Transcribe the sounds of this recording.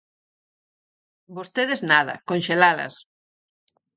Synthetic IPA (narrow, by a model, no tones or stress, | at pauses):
bost̪eðeznaðɐ̰konʲʃelalɐ̰s